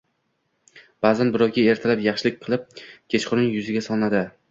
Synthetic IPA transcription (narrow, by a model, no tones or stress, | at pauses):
b̥aːzanbɪɾɒwkʲae̞ɾt̪ʰalapjɑχʃɪlɪk̚ʲqʰɨlˠɪp̚kʲʰet͡ʃqʊɾnɪŋjʊzɪɡʲasɒnad̪ɪ